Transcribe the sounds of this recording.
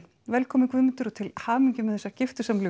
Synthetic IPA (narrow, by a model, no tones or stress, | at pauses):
vɛlkʰɔːmɪkvʏðmɪnt̪ʏɾɔt̪ʰɪlhaːmiɲcɪmɛðɛsːacɪft̪ʏ̥samlʏ